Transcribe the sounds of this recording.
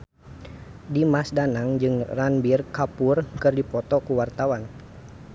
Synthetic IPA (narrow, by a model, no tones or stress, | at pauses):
dimasdanaŋd͡ʒɨŋranbirkapurkɨrdipɔt̪ɔkuwart̪awan